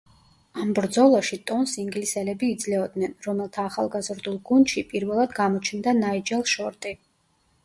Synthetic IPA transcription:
ambɾd̪zɔlˠaʃit̪ʼɔnsiŋɡlisɛlɛbiːd̪zlɛɔd̪nɛnɾɔmɛlˠt̪ʰaːχa̰lˠɡazɾd̪ulˠɡund̪ʃipʼiɾvɛlˠad̪ɡamɔt͡ʃʰnd̪anaid͡ʒɛlˠʃɔɾt̪ʼi

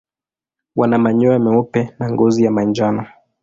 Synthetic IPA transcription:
wanamaɲɔamɛɔpɛnaŋɡɔzijamaɲd͡ʒanɔ

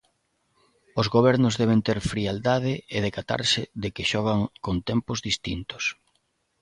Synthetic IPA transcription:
ʊzɣoβɛɾnʊzðɛβ̞ent̪eɾfɾiald̪að̞ɪeðekat̪a̰ɾsɪðɪkɪʃɔɣ̞aŋkont̪ɛmpʊzðist̪int̪ʊ̥s

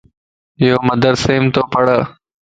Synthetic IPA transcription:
ɪjoːməd̪əɾseːmt̪oːpəɽəː

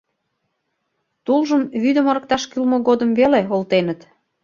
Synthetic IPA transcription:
t̪ulʒəmβyd̪əməɾək̚t̪ɑʃkylmoɣod̪əmveleolt̪enət̪

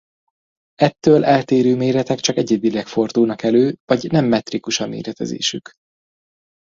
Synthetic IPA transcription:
ɛt̪ːøːlʔɛlt̪eːɾøːmeːɾɛt̪ɛkt͡ʃɒkɛɟːed̪̚bilɛkfo̞rd̪uːnɒkɛløːvɒɟnɛmːɛt̪rikuʃɒmḛːɾɛt̪ɛ̰zḛːʃyk

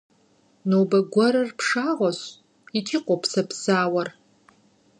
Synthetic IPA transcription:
nowbɐɡʷɔɾɐrpʰʂaːʁʷɔɕ | itʰiːqʷɔpʰsɐpsaːwɐr

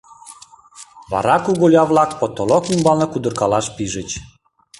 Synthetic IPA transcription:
βɑ̰ɾɑkuɣolʲɑβlɑk̚pot̪ːolokymbɑlnɤkud̪ə̆rkɑlɑʃpiʒət͡ɕ

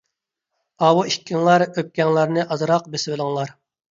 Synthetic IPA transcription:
ɑwuiʃkʲɪŋlˠɑɾøp̚kʲɛŋlˠɑɾnɨʔɑzɨɾɑqbesɪwɪlˠɪŋlˠɑɾ

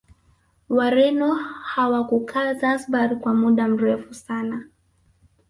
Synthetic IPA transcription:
waɾɛnɔhawakukʰazasɓaɾikwamuɗam̩ɾɛfusana

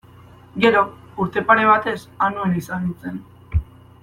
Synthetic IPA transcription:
ɡe̞ɾo̞ | uɾt̪e̞pane̞β̞at̪e̞sanuenisanut͡se̞n

